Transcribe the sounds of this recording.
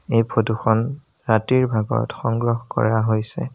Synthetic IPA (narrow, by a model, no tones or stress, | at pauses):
ejpʰoduxɔn | ɹatiɹbʱaɡɔ̰txɔŋɡɹɔxkɔ̰ɹaɦojsɛ̰